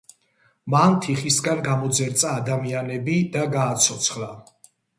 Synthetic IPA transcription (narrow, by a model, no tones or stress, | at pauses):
mant̪ʰiχisɡanɡamɔd̪zɛɾt̪sʼaːd̪amianɛbid̪aɡaːt̪sʰɔt̪sʰχla